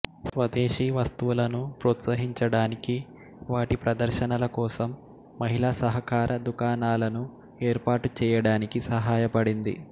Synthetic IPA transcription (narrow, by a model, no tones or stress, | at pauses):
sʋɐd̪eːʃiːʋɐst̪uʋulɐnupɾɔːt̪sɐɦiɲt͡ʃɐɽaːniki | ʋaːʈipɾɐd̪ɐɾʃɐnɐlɐkɔːsɐmː | ɐɦilaːsɐɦɐkaːɾʔɐd̪ukaːnaːlɐnu | eːɾpaːʈut͡ʃɛːjɐɽaːnikisɐɦaːjɐpɐɽind̪ḭ